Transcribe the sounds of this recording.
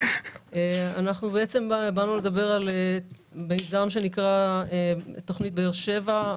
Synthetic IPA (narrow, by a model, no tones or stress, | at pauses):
eanaχnubeet͡se̞mbanule̞d̪abe̞ʁale | belzamʃe̞nikʁaet̪o̞χnit̪̚beeʁʃe̞va